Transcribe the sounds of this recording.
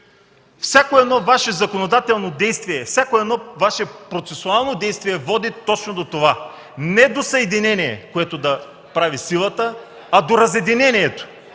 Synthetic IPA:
fsʲakoɛd̪nɔvaʃɛzɐkonod̪at̪ɛlˠnod̪ɛjst̪viɛfsʲjakoɛd̪nɔvaʃɛpɾot̪sɛsʊalˠnod̪ɛjst̪viɛvɔd̪it̪ɔt͡ʃnod̪ot̪ova | nɛd̪osɐɛd̪inɛniɛ̰koɛt̪od̪ɐ | pɾavisilˠət̪ə | ɐd̪oɾɐzɛd̪inɛniɛt̪o̥

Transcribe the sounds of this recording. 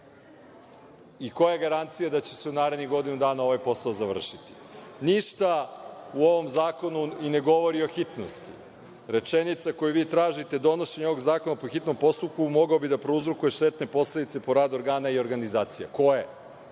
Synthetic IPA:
iko̞jaɡaɾant̪sijad̪at͡ɕe̞̥seunaːɾed̪niɡo̞d̪inud̪aːnao̞ʋajpo̞saozaʋr̩ʃit̪i̥ | niʃt̪auoʋo̞mzaːko̞nuine̞ɡo̞ʋo̞ɾio̞xit̪no̰st̪ḭ | ɾe̞t͡ʃenit̪sako̞juʋiːt̪ɾaːʒit̪e̞d̪o̞noʃeɲoʋoɡzaːko̞napoxit̪no̞mpo̞st̪up̚kumo̞ɡaobid̪apɾouzɾukuje̞ʃt̪e̞t̪ne̞po̞sled̪it̪se̞po̞ɾaːd̪o̞ɾɡaːnaio̞ɾɡanizaːt̪sija̰ko̞je

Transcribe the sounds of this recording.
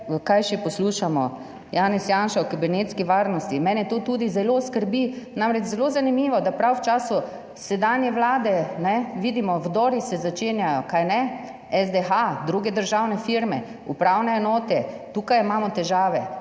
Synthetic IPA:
kajʃipɔsluːʃamɔ̰ | jaːnɛsjaːnʃaɔkibiɾneːt̪skiʋaːɾnɔst̪imɛːnɛjɛt̪oːt̪uːd̪izɛloskəɾbinamɾɛt͡ʃzɛlozanimiːʋɔd̪apɾawwt͡ʃaːsu | sɛd̪anjɛʋlaːd̪ɛnɛʋid̪imɔwd̪ɔɾisɛzat͡ʃeːnjajɔkajnɛ | ɛzd̪ɛxad̪ɾuɡɛd̪əɾʒawnɛfiɾmɛ | ṵpɾawnɛːnɔːt̪ɛt̪uːkajimaːmɔt̪ɛʒaːʋɛ

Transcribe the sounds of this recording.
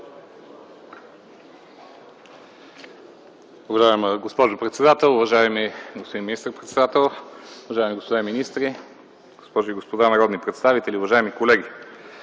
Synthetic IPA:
ʊvɐʒaɛmɡospɔʒʊpɾɛt̪sɛd̪at̪ɛlˠʊvɐʒaɛmiɡospod̪inminist̪ɾpɾɛt̪sɛd̪at̪ɛlˠʊvɐʒaɛmiɡospod̪aminist̪ɾi | ɡospɔʒiɡospod̪anɐɾɔd̪nipɾɛt̪st̪avit̪ɛliʊvɐʒaɛmikolɛɡʲi

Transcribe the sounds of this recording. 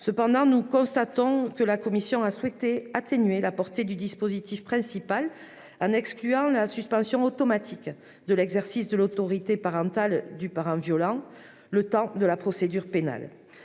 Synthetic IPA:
səpɑ̃d̪ɑ̃nukɔ̃st̪at̪ɔ̃kəlakɔmisjɔ̃aswɛt̪eat̪enɥelapɔʁt̪ed̪yd̪ispozit̪ifpχɛ̃sipal | ɑ̃nɛksklyɑ̃lasyspɑ̃sjɔ̃ɔt̪ɔmat̪ʰik | d̪əlɛɡzɛʁsisd̪əlot̪ɔʁit̪epaʁɑ̃t̪ald̪ypaʁɑ̃vjɔlɑ̃ | lət̪ɑ̃d̪əlapχɔsed̪yʁpena̰l

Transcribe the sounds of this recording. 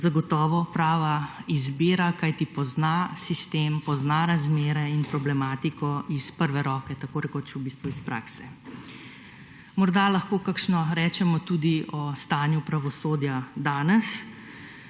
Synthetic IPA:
zaɡɔt̪ɔːʋɔpɾaːʋaizbiːɾakajt̪ipɔznasist̪eːmpɔznaɾazmeːɾɛinpɾɔblɛmaːt̪ikɔʔispəɾʋɛɾɔːkɛt̪akoːɾɛkot͡ʃubiːst̪ʋuispɾa̰ksɛ | mɔɾd̪alaxkoːkakʃnɔɾɛːt͡ʃɛmɔt̪uːd̪iɔst̪aːnjupɾaʋɔsoːd̪jad̪aːnɛs

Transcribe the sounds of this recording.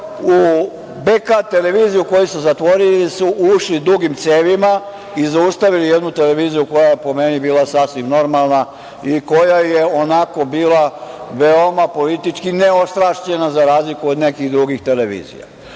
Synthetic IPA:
u | bekat̪e̞le̞ʋiːzijuko̞jisuzat̪ʋo̞ɾilisuʔuʃlid̪uɡimt̪seːʋima | izaust̪aʋilijed̪nut̪e̞leʋiːzijuko̞jajepo̞me̞nibiːlˠasasʋimno̞ɾmalˠna | iko̞jajeo̞nako̞biːlaʋe̞o̞mapo̞lit̪it͡ʃkine̞o̞st̪ɾaʃʎe̞nazaɾaːzlikuod̪ne̞kiɣd̪ɾuɡixt̪e̞leʋḭːzḭja̰

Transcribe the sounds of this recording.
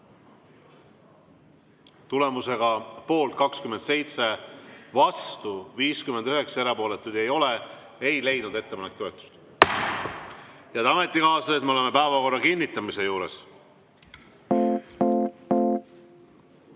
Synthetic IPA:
t̪ule̞muse̞ɡ̥ɑpo̞ːlt̪̚kɑkskymːend̪̥se̞jt̪se̞vɑst̪uviːskymend̪yɦe̞ksɑe̞ɾɑpo̞ːlet̪ːˑud̪̥e̞jo̞le | ejle̞jnud̪e̞t̪ːepɑnek̚t̪o̞et̪ːˑu̥st̪ | jɑd̪ɑme̞t̪ˑːikɑːst̪ɑet̪meleme̞pæevɑko̞rːɑkinʲːit̪ːˑɑmise̞juːɾe̞̰s

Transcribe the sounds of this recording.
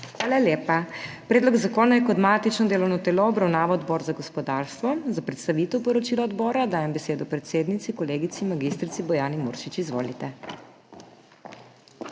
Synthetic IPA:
xʋaːlaljeːpapɾeːd̪lɔɡzakoːnajɛkɔd̪mat̪it͡ʃnɔd̪eːlɔwnɔt̪eːlɔɔbɾawnaːʋɔd̪bɔːɾzaɡɔspɔd̪aːɾst̪ʋɔzapɾɛt̪st̪aʋit̪ɛwpɔɾɔt͡ʃiːlɔɔd̪bɔːɾad̪aːjɛmbɛseːd̪ɔpɾɛt̪seːd̪nit̪sikɔleːɡit̪simaɡist̪ɾit̪sibɔjaːnimṵɾʃit͡ʃizʋo̰ːlit̪ɛ

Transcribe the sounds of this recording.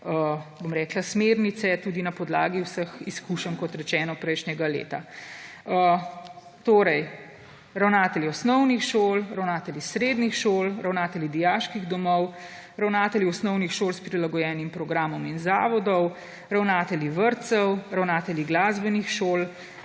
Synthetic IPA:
əbomɾɛːklasmeːɾnit̪sɛt̪uːd̪inapɔd̪la̰ːɡiwsəxiskuːʃənkɔt̪ɾɛt͡ʃɛːnɔpɾɛjʃnɛɡalḛːt̪a | ə | t̪oːɾɛj | ɾawnaːt̪ɛliɔsnɔwnixʃoːlɾawnaːt̪ɛljisɾeːd̪nixʃoːlɾawnaːt̪ɛlid̪ijaːʃkiɣd̪ɔmɔw | ɾawnaːt̪ɛliɔsnɔwnixʃoːlspɾilaɡɔjɛːnimpɾɔɡɾaːmɔminzaːʋɔd̪ɔw | ɾawnaːt̪ɛliʋəɾt̪sɛwɾawnaːt̪ɛliɡlaːzbɛnixʃoːl

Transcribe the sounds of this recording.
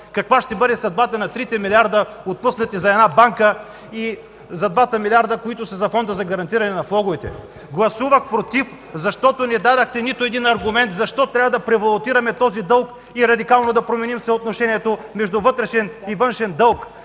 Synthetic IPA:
kɐkvaʃt̪ɛbɤd̪ɛsɐd̪bat̪ɐnɐt̪ɾit̪ɛmilʲiaɾd̪əot̪̚pusnɐt̪izɐɛd̪nabaŋkə | i | zɐd̪vat̪əmilʲiaɾd̪ɐkoit̪ʊsɐzɐfɔnd̪əzɐɡɐɾɐnt̪iɾɐnɛnɐflˠɔɡʊvɛt̪ɛ̰ | ɡlˠɐsuvəxpɾot̪if | zɐʃt̪ɔt̪onɛd̪ad̪ɐxt̪ɛnit̪oɛd̪inɐɾɡʊmɛnt̪zɐʃt̪ɔt̪ɾʲavɐd̪ɐpɾɛvɐlˠot̪iɾɐmɛt̪ɔzid̪ɤlˠk | iɾɐd̪ikalˠnod̪ɐpɾomɛnimsɐot̪noʃɛniɛt̪omɛʒd̪uvɤt̪ɾɛʃɛnivɤnʃɛnd̪ɤlˠk

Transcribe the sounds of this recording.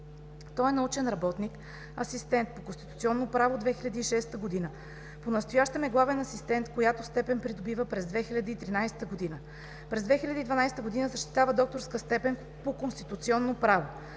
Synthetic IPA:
t̪ɔɛnɐut͡ʃɛnɾɐbɔt̪nik | ɐsist̪ɛnt̪̚pokonst̪i̥t̪ut̪siɔnːopɾavod̪vɛxilʲɐd̪iːʃɛst̪əɡod̪inə | ponɐst̪ojaʃt̪əmɛɡlˠavɛnɐsist̪ɛnt̪kojat̪ost̪ɛpɛnpɾid̪obivəpɾɛzd̪vɛxilʲɐd̪iːt̪ɾinajsɛ̥t̪əɡod̪inə | pɾɛzd̪vɛxilʲɐd̪iːd̪vɐnajsɛt̪əɡod̪inəzəʃt̪i̥t̪avəd̪ɔk̚t̪oɾskəst̪ɛpɛn | pokonst̪it̪ut̪siɔnːopɾavo

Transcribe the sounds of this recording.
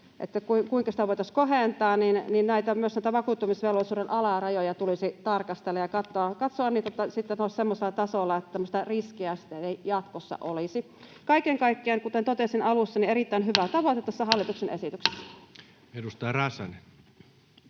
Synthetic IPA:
ʔḛt̪ːækuiŋkuiŋkɑsi̥t̪æʋoˑit̪ɑskoɦeˑnt̪ɑːnninninnæit̪æmyøsnæit̪æʋɑkuːt̪ːumisʋeˑlʋolˑisuːɾenʔɑlɑˑrɑjojɑt̪ulisit̪ɑrkɑst̪elːɑjɑkɑt̪ːoɑkɑt̪soɑnniːt̪ot̪ːæsit̪ːenoˑissemːoselːˑɑt̪ɑsolːɑet̪ːæt̪æmːost̪ɑriskiæst̪æeijɑt̪kosːɑ̰ʔolisi | kɑikeŋkɑikːiɑŋkut̪ent̪ot̪esinɑlusːɑnieɾit̪ːæˑinɦyʋæt̪ɑʋoˑit̪et̪ːæsːæhɑlːit̪uksenesit̪ykse̥sːæ̥ | edust̪ɑjrɑsɑ̰ne

